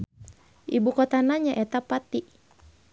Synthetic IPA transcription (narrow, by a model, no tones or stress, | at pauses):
ʔibukɔt̪anaɲaʔɛt̪apat̪i